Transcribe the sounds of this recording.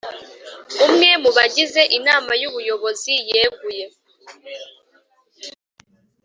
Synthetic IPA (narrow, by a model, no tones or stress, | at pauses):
umŋe̞muβaɟize̞ʔinaːmajuβujo̞βo̞zijeːɡuje̞